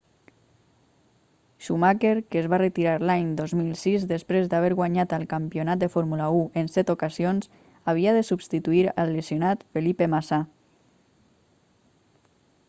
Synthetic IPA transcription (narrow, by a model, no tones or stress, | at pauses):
ʃumakeɾkəːzβarət̪iɾaɾlaɲd̪ozmilˠsizd̪əspɾezd̪aβeɾɣwaɲat̪əlˠkampionat̪̚d̪əfoɾmulauənsɛt̪okazions | aβ̞iaðəsubst̪it̪uiɾəlːəziunat̪fəlipemasa